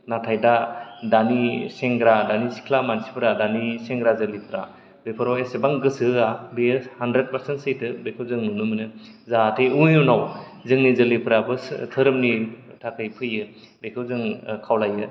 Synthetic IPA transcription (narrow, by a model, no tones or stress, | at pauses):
natʰajdadaniseŋɡɾadanisi̥kʰlamansi̥pʰɯɾadaniseŋɡɾazɯlipʰɾa̰ | bepʰɯɾawesebaŋɡɯsɯabehandɾet̚paɾsentsejtʰɯbekʰɯwzɯŋnunɯmɯnɯzatʰejujunaw | zɯŋnizɯlipʰɯɾabɯstʰɯɾɯmni | tʰakʰɯjpʰɯjɯ | bekʰɯwzɯŋkʰawlajɯ